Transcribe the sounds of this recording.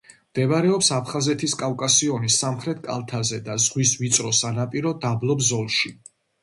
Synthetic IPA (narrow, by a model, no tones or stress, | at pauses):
md̪̥ɛvaɾɛɔpsapʰχazɛt̪ʰiskʼavkʼasiɔnisːamχɾɛt̪ʰkʼa̰lˠt̪ʰazɛd̪azʁwisvit̪sʼɾɔsanapʼiɾɔd̪ablˠɔbzɔlˠʃi